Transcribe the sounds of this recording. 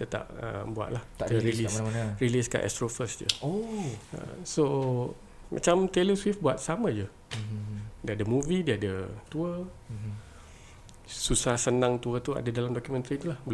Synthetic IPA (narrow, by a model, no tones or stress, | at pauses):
t̪ət̪a̰ʔ̚ə̰mbua̰ʔ̪̚lah̪aɾiisanəriliska̰ʔɛ̰st̪ɾofəsd͡ʒə̰oə̰so | mʔa̰t͡ʃamt̪eləswifbuat̪̚samə̃d͡ʒə | dəadəmuvidiəadət̪uə | susahsənãŋt̪uət̪ua̰dadalamdɔkjumə̃nt̪ɾit̪ulahbə